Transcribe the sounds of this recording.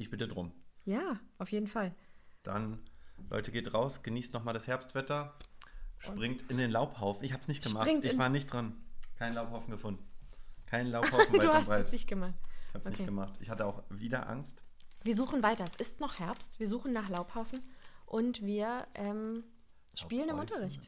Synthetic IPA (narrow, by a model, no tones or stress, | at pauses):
ɪçb̥ɪtədʁʊmjaːʔaʊfjeːdn̩fald̥a̰nlʔɔ̰ʏtəɡeːtʁaʊsɡ̥əniːstnɔχmaːldashɛɐpstv̥ɛtɐ | ʃpʁ̥ɪŋtɪndeːnlaʊphaʊfn̩ɪçhaːbəsnɪçt̚ɡ̥əmaʁɪŋɪçvaːɐnɪçtd̥ʁankʰaɪnlaʊphaʊfn̩ɡəfʊndn̩kʰaɪnəlaʊhaʊfn̩aduːhasʁasd̥ɪçɡ̥əmaχtɪçhaːbsonɪkʰeːɡəmaχtʔɪçhatəaʊxviːdɐ̰ʔa̰ŋstv̥iːɐzuːχn̩vaɪtɐɛsɪstnɔχhɛɐpstv̥iːɐzuːχn̩nːaːχlaʊphaʊfn̩ʔʊntv̥iːɐʔɛːm | ʃpiːlənɪmʔʊntɐʁɪçt